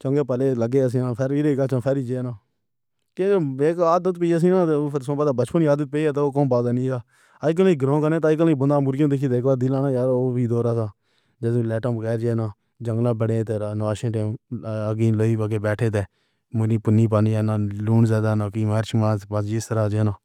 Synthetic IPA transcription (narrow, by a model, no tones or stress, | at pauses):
t͡ʃə̃ːŋɡeːpəleːləɡeːs̬ĩːãːpʰeɾiːɾeɡaːt͡ʃãːpʰɛːɾiːd͡ʒeːnãː | kẽeːkaːd̪ət̪peːs̬ĩːnãːt̪eːsãːbəd̪aːbət͡ʃpəniːaːd̪ət̪̚peiːaːt̪eoːkõːnbaːd̪aːnĩːɡaː | aːɪk̬əlːiːɡɾõːkəɾnẽːt̪̬aːɪk̬lːĩːbənd̪aːmʊɾjõːd̪ɪkʰiːt̪eːkaːd̪ɪlãːnãːjaːɾoːbiːd̪oːɾaːsaː | d͡ʒəd̪lɛːʈãːbəɡɛːɾd͡ʒeːnãː | d͡ʒəŋɡlãːbəɽeːt̪eːɾanʋaːʃẽːʈeːməɡiːləːiːpəɡeːbɛːʈʰeːt̪̬eː | mʊɾĩːpʊnːĩːpaːniaːnãːluːɳzaːd̪aːnãːkiːmɛːɾt͡ʃmaːbasd͡ʒɪst̪əɾaːd͡ʒeːnãː